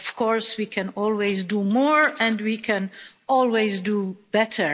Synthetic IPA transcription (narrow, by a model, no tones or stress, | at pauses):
ɔv̥kʰɔɹswikʰɨ̃nɔlˠwezdumɔɹɛ̃ndwikʰɛ̃n | ɔlˠwezdub̥ɛtʰə˞